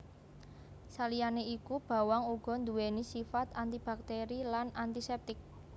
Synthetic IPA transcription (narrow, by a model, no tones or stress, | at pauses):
salijaneikub̥a̤waŋuɡ̥ɔ̤nd̪uwenisifat̪ant̪ib̥a̤k̚t̪eɾilanant̪isɛp̚t̪ɪk̚